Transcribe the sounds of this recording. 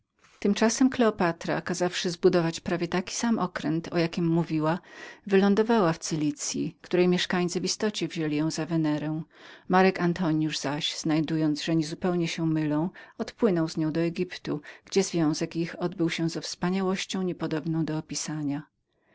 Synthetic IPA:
t̪ɘmt͡ʂasɛmklɛɔpat̪ɾa̰kazafʂɘzbud̪ɔvat͡ɕpɾavʲjɛt̪akʲi̥samʔɔkɾɛnt̪ʰɔjakʲimːuvʲiwavɘlɔ̃nd̪ɔvawaft̪sɘlʲit̪sʲjḭkt̪uɾɛjmʲjɛʂkaɲʲt̪sɘvist̪ɔt͡ɕɛvʑɛlʲijɔ̃w̃zavɛnɛɾɛ̃maɾɛkant̪ʰɔɲjuʐzaɕz̥najd̪ujɔnd̪zʐɛɲɛzupɛwɲɛɕɛmɘlɔ̃w̃ɔt̪pwɘnɔwzɲɔ̃w̃d̪ɔɛɡʲipt̪uɡ̥d͡ʑɛzvʲjɔ̃w̃zɛkixɔd̪bɘwɕɛ̃zɛfspaɲawɔɕt͡ɕɔ̃w̃ɲɛpɔd̪ɔbnɔ̃w̃d̪ɔːpʲisaɲa

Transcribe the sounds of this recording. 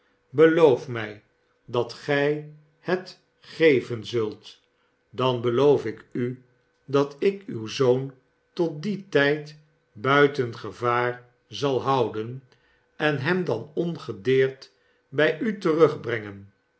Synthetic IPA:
bəlowfmɛj | dɑtχɛj | hət | χejvənzɵlˠt | dɑnbəlowfɪky | dɑtɪkywzown | tɔt̚ditɛjt | bœɥtənχəvaːɹ | zɑlˠɦɑwdən | ɛnɦɛmdɑnɔnχədɪːɹt | bɛjʔytərɵχbrɛŋən

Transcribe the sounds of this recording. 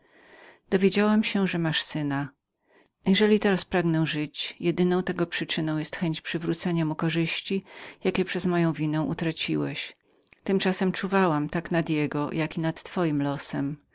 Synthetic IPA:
d̪̥ɔvʲjed͡ʑawamɕɛʐɛmaʂsɘna | jɛʐɛlʲit̪ɛɾaspɾaɡnɛʐɘt͡ɕjɛd̪ɘnɔ̃w̃t̪ɛɡɔpʂɘt͡ʂɘnɔ̃w̃jɛst̪xɛɲt͡ɕpʂɘvɾut̪sɛɲamukɔʐɘɕt͡ɕijakʲɛpʂɛzmɔjɔ̃w̃vʲinɛw̃ʔṵt̪ɾat͡ɕiwɛɕ | t̪ɘmt͡ʂasɛmt͡ʂuvawamt̪aknad̪jɛɡɔjakʲinat̪ːfɔjimlɔsɛm

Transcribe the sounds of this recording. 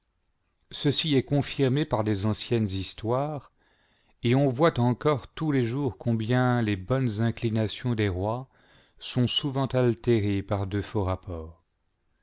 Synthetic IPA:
səsiɛkɔ̃fiʁmepaʁlezɑ̃sjɛnzist̪waːʁ | eɔ̃vwat̪ɑ̃kɔʁt̪uleʒuʁkʰɔ̃bjɛ̃lebɔnzɛ̃klinasjɔ̃d̪eʁwa | sɔ̃suvɑ̃t̪alt̪eʁepaʁd̪əfoʁapɔːʁ

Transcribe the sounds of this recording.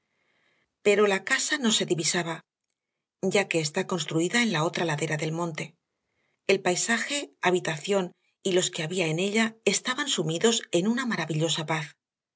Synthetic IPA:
pe̞ɾo̞lakasano̞se̞ðiβisaβa | ɟ͡ʝake̞ːst̪ako̞nst̪ɾuiðae̞nlao̞t̪ɾalaðe̞ɾaðe̞lmõ̞nt̪e̞ | elpajsaxe̞aβit̪aθjo̞n | ilo̞ske̞aβiae̞ne̞ʎae̞st̪aβansumiðo̞se̞nunamaɾaβiʎo̞sapaθ

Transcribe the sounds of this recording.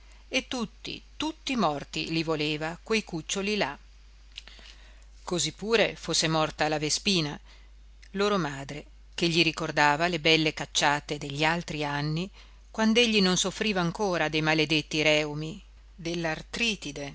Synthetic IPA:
et̪ːut̪ːḭt̪ut̪ːimɔrt̪ḭlivoleːvakwejkut͡ʃːolila | kozipːuːɾefosːemɔrt̪alavespiːna | loːɾomaːd̪ɾe | k̟eʎːiɾikord̪aːvalebɛlːekat͡ʃːaːt̪ed̪eʎːialt̪ɾianːi | kwand̪oeʎːinonsofːɾiːvaːŋkoːɾad̪ejmaled̪et̪ːiɾɛwmi | d̪elːart̪ɾiːt̪id̪e

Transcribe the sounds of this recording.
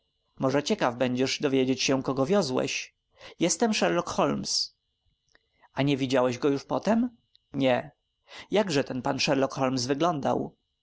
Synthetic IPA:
mɔʐɛt͡ɕɛkavbɛɲd͡ʑɛʐd̪ɔvʲjed͡ʑet͡ɕɕɛkɔɡɔvʲjɔzwɛ̰ɕ | jɛst̪ɛmʂɛɾlɔkxɔlms | ʔaɲɛvʲid͡ʑawɛʑɡɔjuʂpɔt̪ɛm | ɲɛ | jaɡʐɛt̪ɛnpanʂɛɾlɔkxɔlmsvɘɡlɔnd̪a̰w

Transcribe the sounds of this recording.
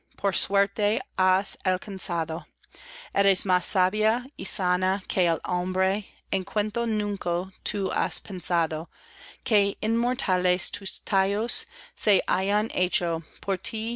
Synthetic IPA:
pʰoɾswɛɾt̪easalkʰansaðo | ʔɛɾesmasːaβjaisanakʰeelõmbɾe | ẽnkʰwẽnt̪onũŋkot̪ʰua̰spʰensaðo | kʰeinmoɾtʰalestʰustʰajosːeʔa̰janʔet͡ʃopʰoɾt̪ʰi

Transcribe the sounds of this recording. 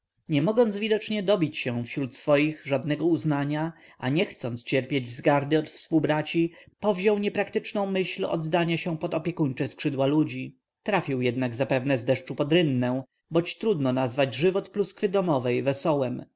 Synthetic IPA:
ɲɛmɔɡɔnd̪zvʲid̪ɔt͡ʂɲɛd̪ɔbʲit͡ɕɕɛw̃fɕɾut̪sfɔjiɣʐad̪nɛɡɔuznaɲa | ʔaɲɛxt̪sɔnt̪st͡ɕɛɾpʲjed͡ʑzɡaɾd̪ɘɔt̪fspuwbɾat͡ɕipɔvʑɔwɲɛpɾakt̪ɘt͡ʂnɔ̃w̃mɘɕlɔ̰d̪ːaɲaɕɛ̃pɔt̪ɔpʲjɛkuɲt͡ʂɛskʂɘd̪walud͡ʑi | t̪ɾafʲiwjɛd̪naɡzapɛvnɛzd̪ɛʂt͡ʂupɔd̪ɾɘnːɛ̃ | bɔt͡ɕt̪ɾud̪nɔnazvad͡ʑʐɘvɔt̪pluskfɘd̪ɔmɔvɛjvɛsɔwɛm

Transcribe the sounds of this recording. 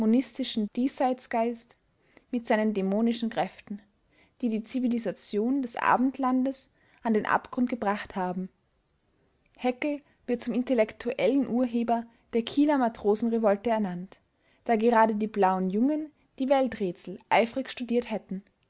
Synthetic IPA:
onɪstɪʃn̩d̥iːsaɪt͡sɡ̥aɪst | mɪtz̥aɪnəndemoːnɪʃn̩kʁ̥ɛftn̩ | d̥iːdiːt͡sivilizat͡sjoːndɛsʔa̰ːbm̩tlandəs | ʔandeːnʔa̰pɡ̥ʁʊnt̚ɡ̥əbʁaχthaːbm̩ | hɛkl̩ | v̥ɪɐt̚t͡sʊmɪntɛlɛktʰuʔɛlənʔuːɐɦeːbɐ | d̥eːɐkʰiːlɐmatʁ̥oːzn̩ʁevɔltəɛɐnant | d̥aːɡəʁaːdədiːblaʊənjʊŋən | d̥iːvɛltʁeːt͡sl̩ʔa̰ɪfʁɪçʃtudiːɐthɛtn̩

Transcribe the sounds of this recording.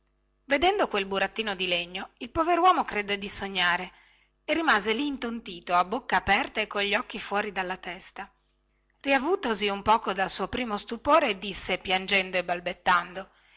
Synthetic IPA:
ved̪ɛnd̪okwelbuɾat̪ːiːnod̪ileɲːoilpoveɾwɔːmokɾed̪ːed̪isoɲːaːɾe | erimaːzeliːnt̪ont̪iːt̪oabːokːaːpɛrt̪aekːoʎːiɔkːifwɔːɾid̪alːat̪ɛst̪a | riavuːt̪oziumpɔːkod̪alsuːopɾiːmost̪upoːɾeːd̪ːisːepjand͡ʒɛnd̪oebalbet̪ːand̪o

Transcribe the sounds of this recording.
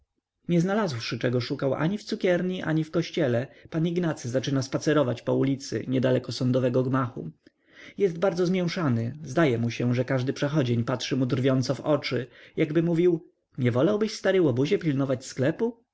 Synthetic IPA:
ɲɛznalazwʂɘt͡ʂɛɡɔʂukawʔa̰ɲift̪sukʲɛɾɲiʔa̰ɲifkɔɕt͡ɕɛlɛpaniɡnat̪sɘzat͡ʂɘnaspat̪sɛɾɔvat͡ɕpɔulʲit̪sɘ̰ɲɛd̪alɛkɔsɔnd̪ɔvɛɡɔɡmaxṵ | jɛst̪̚baɾd̪zɔzmʲjɛ̃w̃ʂanɘzd̪ajɛmuɕɛʐɛkaʐd̪ɘpʂɛxɔd͡ʑeɲpatʂɘmud̪rvʲjɔnt̪sɔvɔt͡ʂɘjaɡbɘmuvʲiw | ɲɛvɔlawbɘɕst̪aɾɘwɔbuʑɛpʲilnɔvat͡ɕsklɛpu

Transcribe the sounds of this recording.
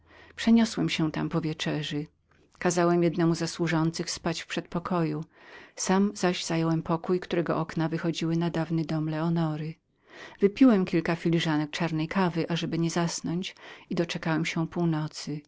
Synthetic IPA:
pʂɛɲɔswɛmɕɛ̃t̪a̰mpɔvʲjɛt͡ʂɛʐɘ | kazawɛmjɛd̪nɛmuzaswuʐɔnt̪sɘxspat͡ɕfpʂɛt̪̚pɔkʰɔju | samzaʑz̥ajɛwɛmpʰɔkujkt̪uɾɛɡɔ̰ʔɔknavɘxɔd͡ʑiwɘnad̪avnɘd̪ɔmlɛɔnɔɾɘ | vɘpʲiwɛmkʲilkafʲilʲiʐanɛk̚t͡ʂaɾnɛjkavɘʔaʐɛbɘɲɛzasnɔɲt͡ɕid̪ɔt͡ʂɛkawɛmɕɛ̃puwnɔt̪sɘ

